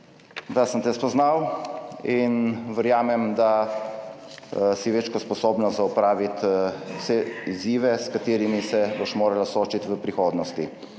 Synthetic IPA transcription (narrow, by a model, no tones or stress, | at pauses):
d̪asənt̪ɛspɔznaw | inʋəɾjaːmɛmd̪a | siʋeːt͡ʃkɔspɔsoːbnɔzaupɾaːʋit̪wsɛiziːʋɛskat̪eːɾimisɛboʃmoːɾalasoːt͡ʃit̪ʋəpɾixoːd̪nɔst̪ḭ